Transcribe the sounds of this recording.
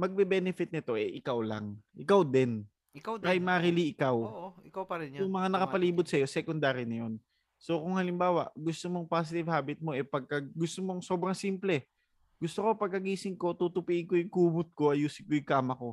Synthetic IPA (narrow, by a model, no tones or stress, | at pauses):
mɐɡ̚bɛbɛnɛfɪt̪̚nɪt̪o̞ʔɛʔɪkawlɐ̰ŋʔɪkawd̪ɛn | kawajmaɾiliʔɪkawʔɪkawpɐɾɛjʊŋmɐŋanɐkɐpɐliːbʊd̪̚sɐjo̞sɛkʊnd̪aːɾinɐjo̞n | sokʊŋhɐlɪmbaːwɐ̰ʔɡʊst̪omoŋpaːs̬ɪt̪ɪvhaːbɪt̪̚mo̞ʔɛpɐɡ̚kɐɡɡʊst̪omoŋso̞ːbɾɐŋsiːmplɛ | ɡʊst̪oko̞pɐɡ̚kɐɡiːsɪŋko̞t̪ut̪ʊpiʔɪŋkojʊŋkuːbʊt̪̚ko̞ʔɐjuːsɪd̪̚kojʊkaːmɐko̞